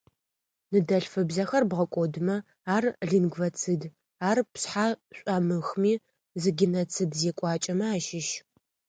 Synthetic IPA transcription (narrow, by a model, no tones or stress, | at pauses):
nɨdɐɬfɨbzɐxɐrbʁɐkʷʼɔdɨmɐ | aːrɮinɡvɐt͡sʰɨd | aːrpsħaːɕʷʼaːmɨxmiː | zɨɡʲinɐt͡sʰɨdzeːkʷʼɑːt͡ʃʼɐmɐaːʃɪʃ